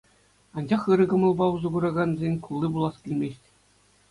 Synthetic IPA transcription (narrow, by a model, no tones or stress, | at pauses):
ɑnd͡ʑɑχɯɾɤ̆ɡɤ̆mɤ̆lˠbɑuzɤ̆ɡuɾɑɡɑnzʲenʲkulˠːibulˠɑskʲilʲmʲesʲtʲ